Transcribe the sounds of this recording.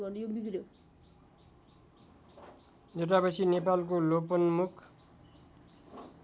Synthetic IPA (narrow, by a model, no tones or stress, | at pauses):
bʌnjobikɾjo | leʈapʌsʰinepalkolopʌnmukʰ